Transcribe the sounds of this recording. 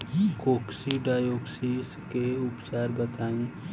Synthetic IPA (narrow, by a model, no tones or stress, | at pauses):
koːksiɖaːjoːɡsiskeʊpt͡ʃaːɾbət̪aːĩ